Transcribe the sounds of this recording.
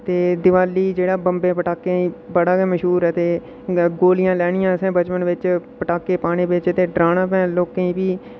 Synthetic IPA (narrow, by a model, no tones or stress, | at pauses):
t̪eːd̪ɪʋaːliːd͡ʒeːɽaːbəmbẽːpəʈaːkːẽĩːbəɽaːɛməʃɦuːɾɛt̪eː | ɡoːlɪjãːlɛːɽ̃ɪjãːəsẽːbət͡ʃpənʋɪt͡ʃpəʈaːkːeːpaːɽ̃ẽːbɪt͡ʃt̪eːɖɾaːnãːpɛ̃ːloːkẽːĩːbiː